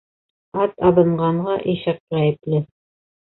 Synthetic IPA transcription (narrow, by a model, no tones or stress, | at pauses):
ɑt̪ɑβɤ̆ɴɢɑɴɢɑʔiʃɘq̚ʁæjɘ̆plɘ